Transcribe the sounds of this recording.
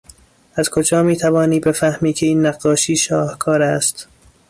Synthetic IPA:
ʔæzkʰod͡ʒɒːmiːt̪ʰævɒːniːbefæhmiːcʰe̞iːnːæɢːɒːʃiːʃɒːhkʰɒːɾæst̪

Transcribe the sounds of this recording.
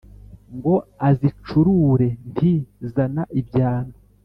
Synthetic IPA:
ŋɡo̞azit͡ʃuɾuɾe̞ntʰizanaʔibɟaːna

